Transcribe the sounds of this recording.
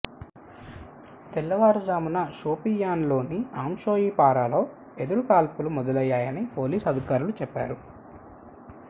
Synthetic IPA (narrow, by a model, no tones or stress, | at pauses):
t̪ɛlːɐʋaːɾɐd͡ʒaːmunɐʃoːpijaːnlo̞ːniaːmʃo̞ːjiːpaːɾaːloː | ed̪uɾukaːlpulumɔd̪ɐlɐjːaːjɐnipo̞ːliːsɐd̪ʱikaːɾulut͡ʃɛpːa̰ːɾu